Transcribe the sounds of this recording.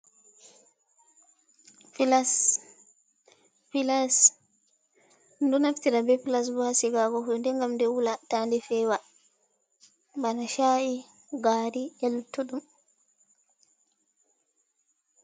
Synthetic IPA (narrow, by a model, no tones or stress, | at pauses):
pilas | pilas | ndɔnaftiɾabɛpilas̬bɔhasiɡaɡɔhuɗndɛŋɡamndɛwulatandɛfɛːwa | banaʃai | ɡaːɾiɛlutːuɗum